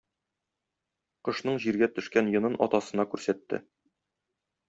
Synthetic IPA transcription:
qɤ̆ʃnɤɴʑiɾɡæt̪ɵ̆ʃkænjɤ̆nɤnɒ̰t̪ɑsɤ̆nɑkʉɾsæt̪ːɘ̰

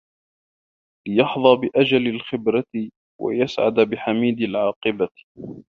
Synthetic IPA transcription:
lɪjɑħðˤɑːbɪʔad͡ʒalalxɪbɾatɪ | wa̰jasʕa̰d̪abɪħamiːd̪alʕɑːqɨba

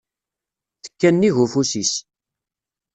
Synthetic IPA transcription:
θə̥kːænːiʝufusis

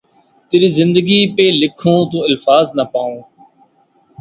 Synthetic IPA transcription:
t̪ɪɾiːzɪ̃nd̪əɡiːpeːlɪkʰõːt̪õːɪlfaːznəpaːõː

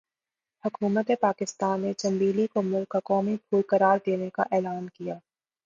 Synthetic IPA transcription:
hɐkuːmət̪epaːkɪst̪aːnːet͡ʃɐ̃mbiːlikomʊlkːakɔːmipʰuːlkɐɾaːɾd̪eːneka̰ʔɛːlaːnkijaː

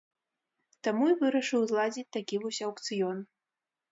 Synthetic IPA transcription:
t̪amuivɨɾɐʂɨwzlˠad͡zʲit͡sʲt̪akʲivusʲawkt̪sɨjɔn

